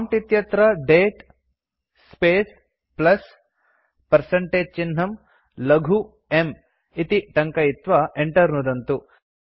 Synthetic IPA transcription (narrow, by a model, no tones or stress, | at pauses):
mʈit̪jɐt̪ɾɐɖeːʈ | speːs | plɐs | pɐɾsɐɳʈeːd͡ʒ̚t͡ʃinɦɐm | lɐɡʱu | em | it̪iʈɐŋkɐit̪ʋɐeɳʈɐɾnud̪ɐnt̪u